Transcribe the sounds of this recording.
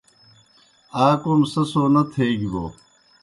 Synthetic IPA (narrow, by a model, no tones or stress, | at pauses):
aːkoːmsɐsoːnɐt̪ʰeːɡibo̰ː